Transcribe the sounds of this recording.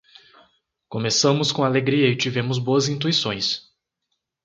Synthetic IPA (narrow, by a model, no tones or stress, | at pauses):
kõmesɐ̃mʊskõaleɡɾiɐɪt͡ʃivẽmʊzboɐzĩnt̪uisõj̃s